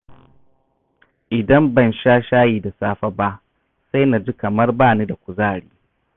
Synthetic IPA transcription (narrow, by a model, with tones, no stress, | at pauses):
ʔɪ˨dɐ˦mbɐ˦˨nʃaː˦ʃaː˦jiː˦˨da˨saː˦ɸa˦ba˦ʔ | sa˦jna˨d͡ʒi˦kɐ˨mɐ˦rbaː˦˨ni˦da˨kʷʊ˨zaː˦˨ɽiː˦